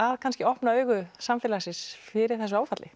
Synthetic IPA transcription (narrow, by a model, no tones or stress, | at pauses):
aðkʰanscɪɔhpnaœːɥɣʏsamfɛːlasɪsfɪɾɪɾ̥θɛs̬ʏaːwfat̪lɪ